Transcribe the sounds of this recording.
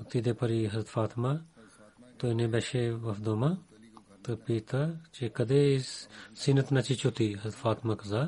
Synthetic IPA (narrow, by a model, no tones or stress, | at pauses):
t̪id̪eːpɐɾiːɦɐzɾət̪faːt̪ma | t̪oɪnẽːbɛʃeːʋɐfd̪oːma | t̪ɐpiːt̪at͡ʃekɐd̪eːssinət̪nɐt͡ʃit͡ʃot̪iːɦɐzɾət̪faːt̪maːkɐzaː